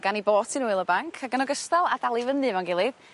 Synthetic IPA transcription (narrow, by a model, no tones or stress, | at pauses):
ɡaniboːtʰinuɨlˠəbaŋkʰaɡənɔɡəstalˠadalˠivənɨvanɡɪlˠɪb̥